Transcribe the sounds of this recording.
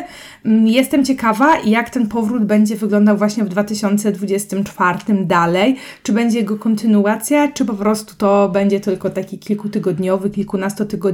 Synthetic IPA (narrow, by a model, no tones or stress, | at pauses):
jɛst̪ɛmt͡ɕɛkavaʔijakt̪ɛnpɔvɾud̪bɛɲd͡ʑɛvɘɡlɔnd̪awvwaɕɲɛvd̪vat̪ɘɕɔnt̪sɛd̪vud͡ʑɛst̪ɘmt͡ʂfaɾt̪ɘmd̪alɛjt͡ʂɘbɛɲd͡ʑɛjɛɡɔkɔnt̪ɘnuat̪sʲjat͡ʂɘpɔpɾɔst̪u̥t̪ɔbɛɲd͡ʑɛt̪ɘlkɔt̪akʲikʲilkut̪ɘɡɔd̪ɲɔvɘkʲilkunast̪ɔt̪ɘɡɔd̪